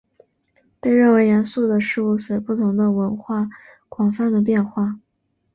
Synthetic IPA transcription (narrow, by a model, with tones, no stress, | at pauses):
pe˥˧ɪɻə˥˩nwe˧˥ɪjɛ˧˥nsu˥˩d̪ə˩ʂɻ̩˥˧u˥˩swe˧˥ɪpu˥˩t̪ʰʊ˧˥ŋd̪ə˧wə˧˥nxwa˥˩ | kwɑ˨˩ŋfa˥˩nd̪ə˩p̬jɛ˥˧nxwa˥˩